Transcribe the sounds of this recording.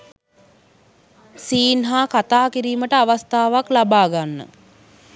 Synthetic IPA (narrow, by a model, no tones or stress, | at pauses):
siːnɦaːkat̪aːkiɾiːməʈəaʋast̪aːʋaklabaːɡanːə̰